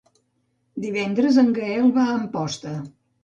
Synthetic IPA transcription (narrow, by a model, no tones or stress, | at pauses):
d̪iβɛnd̪ɾəzəŋɡəɛlˠβaəmpɔst̪ə